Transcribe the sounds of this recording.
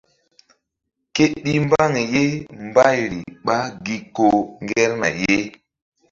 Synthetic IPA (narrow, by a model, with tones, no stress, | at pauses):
ke˦ɗi˦m˦ba˦ŋe˨je˦mba˦jɾḭ˨ɓa˦ɡi˦ko˨ŋɡɛ˦ɾna̰˨je˦